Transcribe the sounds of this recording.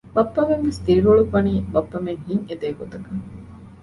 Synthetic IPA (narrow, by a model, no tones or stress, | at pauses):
bɐpːɐmenʋest̪iɾiɾoɭufɐniːbɐpːɐmeŋhiŋed̪eːɡot̪ɐkɐŋ